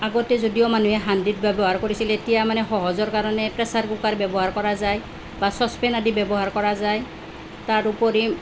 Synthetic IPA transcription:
aɡɔtɛzodijɔmanuɦɛɦandit̚bɛbɔɦaɹkoɹisiletijamanɛxɔɦɔzɔɹkaɹɔnɛpɹɛsaɹkukaɹbɛbɔɦaɹkɔɹazaj | basɔspɛnadibɛbɔɦaɹkɔɹazaj | taɹupɔɹi

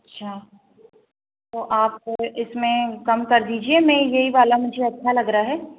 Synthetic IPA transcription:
ɐtːʃʰaː | t̪oːʔaːp̚oɪsmẽkɐmkɐɾd̪iːd͡ʒiemɛ̃jɐɦiʋaːlamʊd͡ʒʱeɐtːʃʰalɐɡɾaaɦɛː

